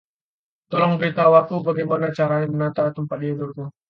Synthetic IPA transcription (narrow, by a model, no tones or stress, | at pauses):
t̪ɔlɔŋbɾit̪awakubaɡajmanat͡ʃaɾajaŋmənat̪at̪əmpat̪̚iadurku